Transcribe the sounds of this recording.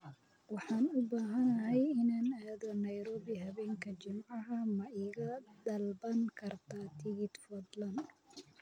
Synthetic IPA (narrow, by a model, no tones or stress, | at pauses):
wɑħɑːnʊbaːɦɐnɐɦɛjɪnaːnaːðɔnɐjɾɔːβiɦɐβɛːŋkʰɐt͡ʃɪmʕɑɦɐmɐɪːɣɐd̪ɐlbɐŋkʰɐrt̪ʰaːt̪ʰɪɣɪd̪fɔd̪lɐn